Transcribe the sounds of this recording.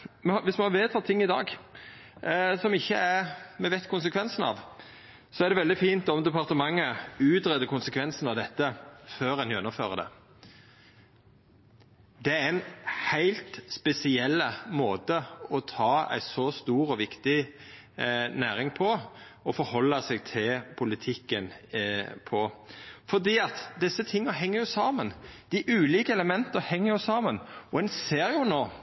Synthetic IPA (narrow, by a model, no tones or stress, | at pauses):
mɛɑʋɪsmɛhɑʋeːt̪ʰɑːt̪ʰɪŋːɪd̪ɑ̰ːɡ | sɔmɪçːəæɾmɛʋæɪt̪kʰʊnsəkʰʋɛnsənɑ̰ʋ | sɔæʁɖ̪ɛʋɛld̪ɪfiːnt̪ɔmd̪ɛpɑʁt̪əmɑŋːəʉːt̪ɾɛd̪əɾkʊnsəkʰʋɛnsənɑʋd̪ɛt̪ːəføːɾæɪnjœnːʊmføːɾəd̪ɛ̰ | d̪ɛææɪnhæɪlt̪spɛsɪɛlːəmoːt̪əɔt̪ʰɑːæ̰ɪsɔst̪uːɾɔʋɪkt̪ɪ | næːɾɪŋpʰɔ | ɔfɔɾhɔlːɑsɛɡ̚t̪ʰɪlpʰʊlɪt̪ʰɪkːən | pʰɔfɔd̪iːɑt̪d̪ɪsːət̪ʰɪŋːɑɦɛŋːəɾjʊsɑːmənd̪̥ɪʔʉːliːkəɛləmɛnt̪əɾhɛŋːəɾjʊsɑːmənɔɛnseːɾjʊnoː